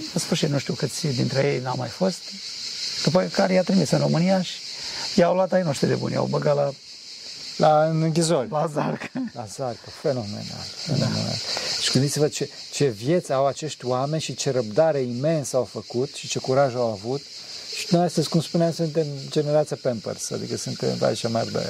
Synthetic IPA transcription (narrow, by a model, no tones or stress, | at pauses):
əspuʃinuʃt̪iuwkɨt̪sʲd̪int̪ɾejejnawmajfo̞st̪ | d̪̥up̬əkaɾejat̪ɾimisɨnro̞mɨnijaʃi̥jawluat̪ajnoʃt̪id̪ebṵnʲja̰wbəɡat̪la | laɨnɨŋk̬ʲizo̞rʲlazarklazarʲpəfe̞no̞mḛna̰lfḛno̰nḛna̰lʃi̥kɨnzitsevəd̪̚t͡ʃet͡ʃe̞vje̞t̪sʲawat͡ʃe̞ʃt̪ʲwame̞nʲʃit͡ʃe̞ɾəb̚d̪aɾe̞ime̞nsawfəkut̪ʃit͡ʃe̞kuɾaʒuawavut̪ | ʃi̥nuast̪əzʲkumspuneamsɨnt̪e̞md͡ʒe̞neɾat̪sʲapempə̰rsa̰d̪ḭkəsɨnt̪ḛmva̰it͡ʃama̰rd̪ḛ